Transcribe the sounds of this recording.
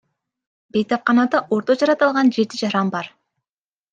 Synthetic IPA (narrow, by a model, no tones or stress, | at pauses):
be̞jt̪ɑp̚qɑnɑd̪ɑʔo̞ɾt̪o̞d͡ʒɑɾɑt̪ɑlˠʁɑnd͡ʒe̞t̪id͡ʒɑɾɑmbɑɾ